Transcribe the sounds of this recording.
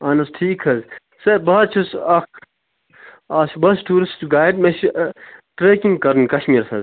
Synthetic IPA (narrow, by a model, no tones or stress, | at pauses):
ɐːnɐsʈʰiːkʰhɐz | sebɐɐt͡ʃʰusɐk | aːʃbɐsʈuːɾisʈɡaːjɖmeʃ | ʈɾeːkiŋɡkɐɾnkɐʃmiːɾsɐz